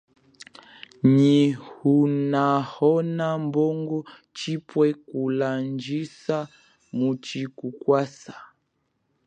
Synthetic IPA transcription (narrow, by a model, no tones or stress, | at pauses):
ɲihunahɔnambɔŋɡɔ | t͡ʃipwɛkuland͡ʒisa | mut͡ʃikukwasa